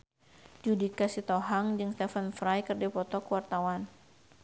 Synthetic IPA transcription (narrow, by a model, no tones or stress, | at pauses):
d͡ʒudikasit̪ɔɦaŋd͡ʒɨŋst̪ɛfənfɾajkɨrdipɔt̪ɔkuwart̪awan